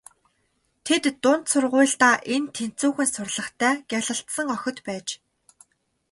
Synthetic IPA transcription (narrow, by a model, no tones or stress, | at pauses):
t̪ʰet̪ːʊn̥t̪sʊrʁʊːɮt̪aːʔent̪ʰen̥t͡suːxɘ̆nsʊrɮə̆χt̪ʰæːɡʲaɮə̆ɬt̪sə̆ŋœxʲɪ̆t̪pæːt͡ɕ